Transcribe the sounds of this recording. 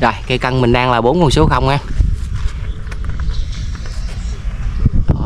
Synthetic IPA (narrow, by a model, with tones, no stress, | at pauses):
zɔ˨˩jke˨˧˦kə˧nmï˨˩ŋ̟ɗaː˧ŋlaː˨˩ɓo˨˦nku˨˧˩nso˨˦xə˧wŋ͡mʔaː˧˨˩